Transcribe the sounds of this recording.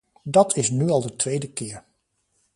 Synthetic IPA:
dɑtʰɪsnyɑlˠdətʋejdəkɪːɹ

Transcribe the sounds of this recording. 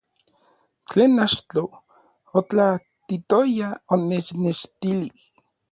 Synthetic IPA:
t͡ɬeːnat͡ʃt̪o | ot͡ɬa | t̪it̪ojaonet͡ʃneʃt̪ilih

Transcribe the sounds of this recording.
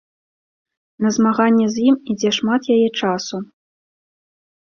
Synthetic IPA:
nɐzmaɣanʲːɛzʲjimid͡zʲɛʂmat̪jajɛt͡ʂasu

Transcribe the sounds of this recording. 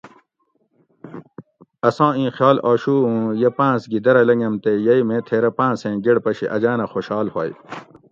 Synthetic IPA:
ɐsãːĩːxjaːlaːɕuːũjepãːsɡid̪ɐɾɐlɐŋɐmt̪ejɐimẽːt̪ʰeːɾɐpãːsẽːɡeɽpɐɕiʔɐd͡ʑaːnɐxoɕaːlhaːj

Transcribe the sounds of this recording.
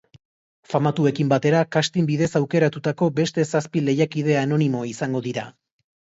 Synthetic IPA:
famat̪ue̞kimbat̪e̞ɾakast̪imbiðe̞sawke̞ɾat̪ut̪ako̞be̞st̪e̞saspile̞jakið̞e̞ano̞nimo̞isaŋɡo̞ðiɾa

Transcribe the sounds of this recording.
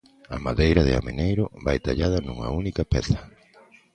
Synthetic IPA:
a̰maðejɾɐðɪa̰menejɾʊβajt̪aʎað̞ɐnuŋɐ̰unikɐpɛθɐ

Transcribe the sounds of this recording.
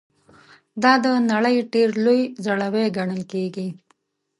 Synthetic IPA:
d̪ɑd̪ənaɽəjɖeɾlojzaɽaweɡaɳəlkeɡi

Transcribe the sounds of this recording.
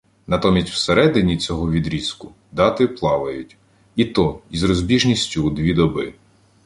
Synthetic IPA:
nɐt̪ɔmʲisʲtʲw̥seɾɛd̪ɪnʲit͡sʲɔɦɔʋʲid̪ɾʲiskʊ | d̪ɑt̪ɪplˠɑʋɐjʊtʲ | it̪ɔizrɔzʲbʲiʒnʲisʲtʲud̪ʋʲid̪ɔbɪ

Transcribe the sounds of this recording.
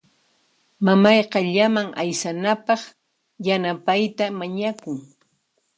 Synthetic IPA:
mamɑjqɑʎamaŋʔajsanapɑχ | janapajt̪amaɲakʊŋ

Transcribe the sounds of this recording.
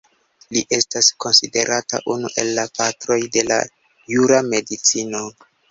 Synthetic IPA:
liʔe̞stasko̞nside̞̰ɾʔata̰ʔunuʔe̞lːapatɾo̞jde̞la̰ | juɾame̞dit͡sino̞

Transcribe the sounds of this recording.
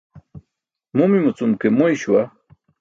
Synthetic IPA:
mumimut͡sumkemoiɕuwa

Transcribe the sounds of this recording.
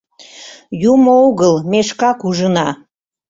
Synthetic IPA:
jumooɣəlmeʃkɑkuʒənɑ

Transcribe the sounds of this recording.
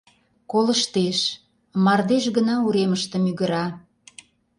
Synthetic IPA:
koləʃt̪eʃ | mɑrd̪eʃɣənɑuɾeməʃt̪ə̆myɣə̆ɾɑ

